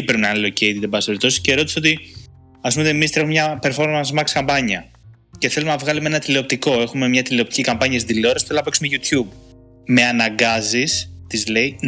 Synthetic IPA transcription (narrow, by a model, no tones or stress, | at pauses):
pɾepinɐnilo̞ce̞jt̪id̪ebɐseɾit̪o̞si̥sceɾo̞t̪i̥seo̞t̪i | ɐspumot̪eemist̪ɾe̞xumemɲɐpe̞ɾfo̞ɾmɐnsmɐkskɐmbɐɲɐ | ce̞θe̞lumnɐvɣɐlumee̞nɐt̪ileo̞p̚t̪iko̞e̞xume̞mɲɐt̪ileo̞pt̪i̥cikɐmpɐɲɐs̬id̪ðilioɾɐsθelunɐpe̞ksumeʝut̪çub | me̞ɐnɐŋɡɐzist̪izle̞i